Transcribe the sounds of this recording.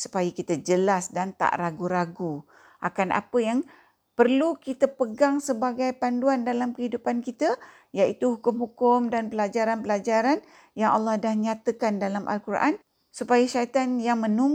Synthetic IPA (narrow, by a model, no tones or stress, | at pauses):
su̥pajəkit̪əd͡ʒəlasdant̪a̰ʔraɡuɾaɡu | ʔakanʔa̰pəjaŋ | pərlukit̪əpəɡaŋsəbaɡajpanduandalamkəɦidupankit̪ə | jaʔit̪uhukʊmhukʊmdanpəlad͡ʒaɾanpəlad͡ʒaɾan | jaŋalːɑhdahɲãt̪əkandalamʔa̰lkurʔa̰n | supajəʃait̪anjaŋmə̃nuŋ